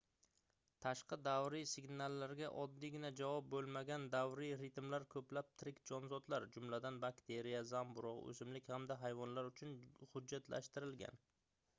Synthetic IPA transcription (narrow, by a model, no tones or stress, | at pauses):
t̪ʰaʃqɑd̪avɾisɪɡʲnalːaɾɡʲaʔɒd̪ːiɡʲɪnad͡ʒavɒp̚bɵlˠmaɡʲand̪avɾiɾɪt̪mlaɾkʰɵplap̚t̪ʰɾɪkʲd͡ʒɒnzɒt̪laɾd͡ʒʊmlad̪anbakʲt̪ʰe̞ɾijazambʊɾɒqɵ̰zɪmlɪkʲhamd̪aɦajvɒnlaɾʊt͡ʃʰʊnhʊd͡ʒːat̪la̰ʃt̪ɪɾɪlɡʲa̰n